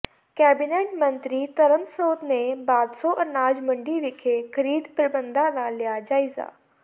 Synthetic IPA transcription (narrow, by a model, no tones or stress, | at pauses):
kɛːbɪneːʈmə̃nt̪ɾiːt̪əɾəmsoːt̪nebaːd̪soːʔɐnaːd͡ʒmə̃ɳɖiʋɪkʰekʰəɾiːd̪pɾəbənd̪ãːnaːlːɪjaːd͡ʒaːɪza̰ː